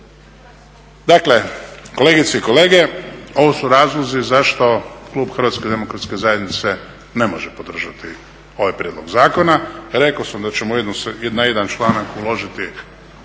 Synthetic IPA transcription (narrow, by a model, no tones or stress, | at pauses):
d̪akle̞ko̞leɡit̪seiko̞le̞ːɡe̞o̞ʋosuɾaːzlˠozizaʃt̪o̞klˠuːbxr̩ʋat̪sked̪e̞mokɾat̪ske̞zajed̪nit̪se̞ | ne̞moʒepo̞d̪r̩ʒat̪i | o̞ʋajpɾjed̪lo̞̰ɡzaːko̞naɾe̞kosamd̪at͡ɕemojed̪nosjed̪najed̪ant͡ʃlˠaːnakulo̞ʒit̪i